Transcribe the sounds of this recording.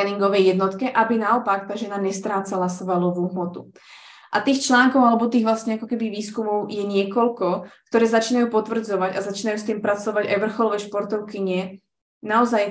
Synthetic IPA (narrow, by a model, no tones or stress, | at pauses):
ɛniŋɡɔʋɛjjɛd̪nɔt̪kɛʔabinaɔpakt̪aːʒɛnaɲɛst̪ɾaːt͡salasʋalɔʋuːɦmɔt̪u | ʔat̪iːxt͡ʃlaːŋkɔʊalɛbɔt̪̬iːɣʋlasɲɛakɔkɛbiʋiːskumɔʊjɛɲɪɛkɔlkɔkt̪ɔɾɛːzat͡ʃiːnajuːpɔt̪ʋr̩d͡zɔʋaɟazat͡ʃiːnajuːst̪iːmpɾat͡sɔʋaɟa̰jʋr̩xɔlɔʋɛjʃpɔɾt̪ɔʊkiɲɛ | naɔzaj